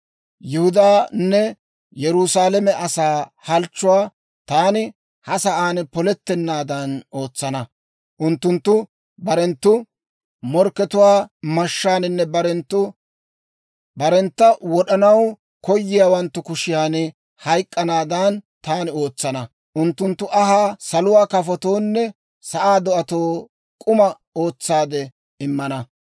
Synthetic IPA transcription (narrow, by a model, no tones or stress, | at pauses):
jɪhʊd̪aːnːɛ | jɛɾʊsaːlɛmɛʔɐsaːhɐlt͡ʃːʊwaː | t̪aːnɪ | hɐsɐʔaːnpɔlɛt̪ːɛnːaːd̪ɐno̞ːt͡sːɐnɐ | ʔʊnt̪ːʊnt̪ːʊ | bɐɾɛnt̪ːʊ | mɔɾkːɛt̪ʊwaːmɐʃːaːnɪnːɛbɐɾɛnt̪ːʊ | bɐɾɛnt̪ːɐwɔɗɐnɐw | kɔjːɪjaːwɐnt̪ːʊkʊʃɪjaːnɪ | hɐjkʼːɐnaːd̪ant̪aːnɪo̞ːt͡sːɐnɐ | ʔʊnt̪ːʊnt̪ːʊʔɐɦaːsɐlʊwaːkɐfɔt̪o̞ːnːɛ | sɐʔaːd̪ɔɐt̪o̞ː | kʼʊmɐ | o̞ːt͡sːaːd̪ɛ | ɪmːɐnɐ